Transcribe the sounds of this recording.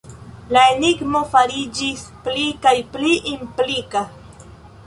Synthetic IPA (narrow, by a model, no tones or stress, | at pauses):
laeniɡmofaɾɪd͡ʒɪsplikajpliʔɪmplɪka